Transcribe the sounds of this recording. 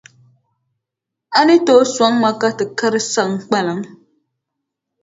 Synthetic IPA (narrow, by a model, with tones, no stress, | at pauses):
a˦nɨ˦to˦swa˨˦ŋma˦ka˦tɨ˨ka˦ɾɨ˦sa˦ŋ˦k͡pa˦lɨ˨ŋ